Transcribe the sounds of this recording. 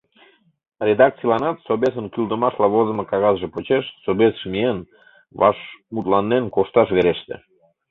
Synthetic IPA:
rʲed̪ɑk̪̚t͡sijlɑnɑt̪sobes̬ənkyld̪əmɑʃlɑβozə̆mɤkɑɣɑzʒĕpot͡ɕeʃsobesʃmien | βɑ̰ʃmut̪lɑnːenkoʃt̪ɑʃβeɾeʃt̪ḛ

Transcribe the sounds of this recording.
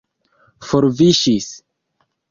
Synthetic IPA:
foɾviʃis

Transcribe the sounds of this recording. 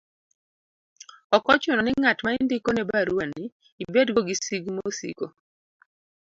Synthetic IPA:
ɔkɔt͡ʃonɔnɪŋatmaindikonɛbaɾwaniː | bɛdɡoɡisiɡmosḭko

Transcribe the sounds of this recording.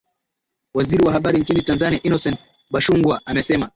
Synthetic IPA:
waziɾiwahaɓaɾiɲt͡ʃinitanzaniaʔinɔsɛn | ɓaʃuŋɡwaamɛsɛma

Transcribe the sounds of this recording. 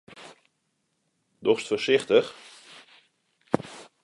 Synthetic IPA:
dɔχstfəɹsɪχtəχ

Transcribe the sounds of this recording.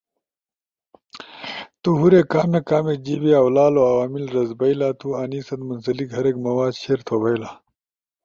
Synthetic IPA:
t̪uɦuɾekaːmekaːmed͡ʑibiɐwlaːloɐwaːmilɾɐzbɐilaːt̪ʰuːaːniːsɐt̪munsɐlikɦɐɾekmɐwaːd̪ɕeːɾt̪ʰoːbɐilaː

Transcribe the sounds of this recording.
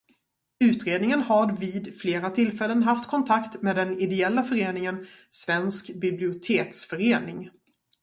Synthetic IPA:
ʉ̟ːt̪ɾeːd̪nɪŋənhaɾviːd̪fleːɾat̪ʰɪlfɛlːənɦaft̪kʰɔnt̪ʰakt̪meːd̪ɛnɪd̪ɛɛlːafœɾeːnɪŋən | svɛnskbɪblɪʊt̪ʰeːksfœɾeːnɪŋ

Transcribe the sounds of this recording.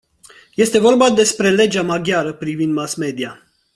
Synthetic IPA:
je̞st̪e̞vo̞rbad̪e̞spɾe̞le̞d͡ʒamaɡʲjaɾəpɾivind̪masme̞d̪ia

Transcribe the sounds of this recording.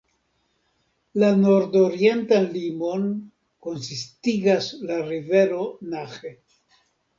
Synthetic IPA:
lano̞ɾdoɾie̞ntanlimo̞n | ko̞nsistiɡaslaɾive̞ɾo̞naxe

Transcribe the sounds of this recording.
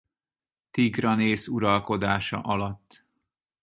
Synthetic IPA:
t̪iɡrɒneːsuɾɒlko̞d̪aːʃɒ̰ʔɒlɒt̪ː

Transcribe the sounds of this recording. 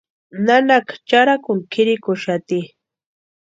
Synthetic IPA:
nanakt͡ʃaɾakʊŋkʰɪɾɪkʊʃat̪i

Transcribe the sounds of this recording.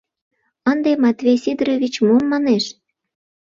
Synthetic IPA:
ənd̪emɑt̪vʲejsid̪rovʲit͡ɕmomːɑneʃ

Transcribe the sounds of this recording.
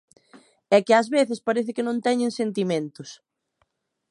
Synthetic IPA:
ɛkɪazβeθɪspaɾeθɪkɪnõnt̪ɛɲẽŋsent̪imẽnt̪ʊs

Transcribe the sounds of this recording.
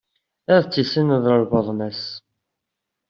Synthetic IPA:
æðt͡sːisənðəɾvəðˤnæs

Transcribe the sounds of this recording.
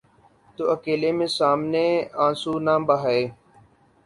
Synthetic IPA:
t̪oːəkeːleːmẽːsaːmneːãːsuːnãːbəɦaeː

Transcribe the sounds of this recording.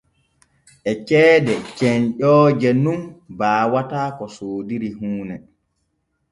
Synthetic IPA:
ʔɛt͡ʃɛːdɛt͡ʃɛnɗɔːd͡ʒɛnunbaːwataːkɔsoːdiɾiɦuːnɛ

